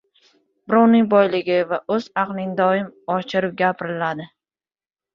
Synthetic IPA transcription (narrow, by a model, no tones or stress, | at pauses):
b̥ɪɾɒʊnɪŋbɒjlɪɡʲɪvaʔɵzɑqlˠɪŋd̪ɒɪmɒt͡ʃʰɪɾɪp̚ɡʲapʰɾɪlad̪ɪ